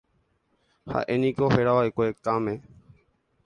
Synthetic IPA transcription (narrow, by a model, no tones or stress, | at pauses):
ha̰ːʔeːniːkoːheːɽaːʋaːekoːeːk̚taːmeː